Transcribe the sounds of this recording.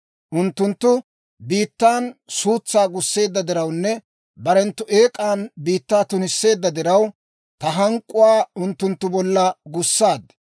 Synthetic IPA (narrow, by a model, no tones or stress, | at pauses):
ʔʊnt̪ːʊnt̪ːʊ | biːt̪ːaːnsuːt͡sːaːɡʊsːe̞ːd̪ːɐd̪ɪɾɐwnːɛ | bɐɾɛnt̪ːʊʔeːkʼaːnbiːt̪ːaːt̪ʊnɪsːe̞ːd̪ːɐd̪ɪɾɐw | t̪ɐɦɐŋkʼːʊwaːʊnt̪ːʊnt̪ːʊbɔlːɐɡʊsːaːd̪ɐ